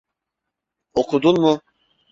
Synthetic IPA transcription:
okʰud̪unmu

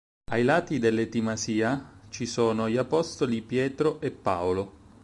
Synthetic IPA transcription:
ajlaːt̪id̪elːet̪imasiːat͡ʃisoːnoʎiapɔst̪olipjɛːt̪ɾoʔepːa̰olo

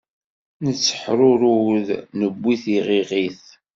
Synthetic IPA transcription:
nət͡sːə̥ħɾʊɾuwðnəbːiθiʁiʁiθ

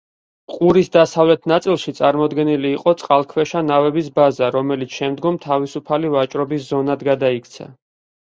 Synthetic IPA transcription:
qʼuɾisd̪asavlɛt̪ʰnat̪sʼilˠʃit̪sʼaɾmɔd̪ɡɛniliːqʼɔt̪sʼqʼalˠkʰwɛʃanavɛbisbazaɾɔmɛlit̪sʰʃɛmd̪ɡɔmt̪ʰavisupʰalivat͡ʃʼɾɔbiszɔnad̪ɡad̪aikʰt̪sʰa̰

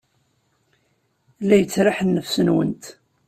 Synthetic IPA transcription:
læjət͡sːɾaħənːəfsənwə̰nt̪

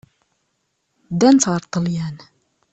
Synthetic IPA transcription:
d̪ænt̪ʁəɾˤt̪ˤːəljæn

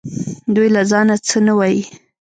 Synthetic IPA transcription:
d̪ujlazɑnat͡sənawɑji

